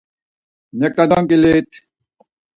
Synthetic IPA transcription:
nɛk̚t̪ad̪ɔŋkilet̪ʰ

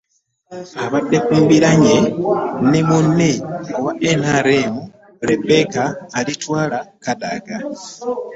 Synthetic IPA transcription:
aβaɗɛfumbilaɲɛnimuniwaʔɛnaɾɛmu | ɾɛɓɛkaːlitʰwalakaɗa̰ɡa

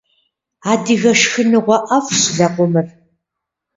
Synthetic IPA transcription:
aːdiɣɐʃxɨnɨʁʷɔʔɐfɕɮɐqʷʊmɨr

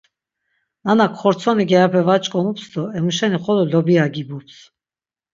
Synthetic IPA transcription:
nanakʰχɔɾt͡sʰɔniɡɛapʰɛvat͡ʃʼkʼɔmupsd̪ɔɛmuʃɛniχɔlɔlɔbiaɡibups

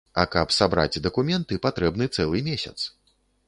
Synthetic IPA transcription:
ɐkɐpsabɾa̰d͡zʲd̪ɐkumʲɛnt̪ɨpat̪ɾɛbnɨt̪sɛlˠɨmʲesʲɐ̰t̪s

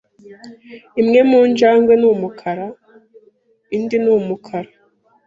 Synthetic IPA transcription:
imŋe̞muːnd͡ʒaːŋɡwenumukʰaɾa | indinuːmukʰaɾa

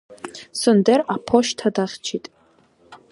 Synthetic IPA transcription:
sɨndeɾapʰoʃtʰadaχʲt͡ʃʰitʼ

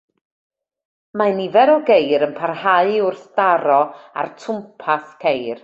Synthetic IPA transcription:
manivɛɾɔɡejɾənpʰarhaɨʊrθd̥aɾɔa̰rtʰʊmpʰaθkʰejr

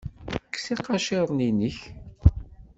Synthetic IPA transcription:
kːsiqɑʃeɾˤninəç

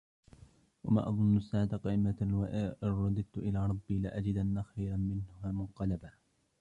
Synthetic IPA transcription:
wama̰ːʔɑðˤʊnːʊsːaːʕt̪aqɑʔɪmawaʔʔɾˤːɑd̪ˤɨd̪̚t̪ʊʔɪlaːɾˤɑbːiːlɪʔad͡ʒɪd̪ʔanːaxajɾamɪnhaːmʊnqɑlaba

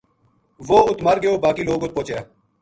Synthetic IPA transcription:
ʋoːʊt̪məɾɡəjoːbaːkiːloːɡʊt̪̚poːt͡ʃejaː

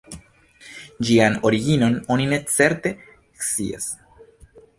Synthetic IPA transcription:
d͡ʒiano̞ɾiɡino̞no̞nine̞t͡se̞ɾte̞ | kst͡sḭa̰s

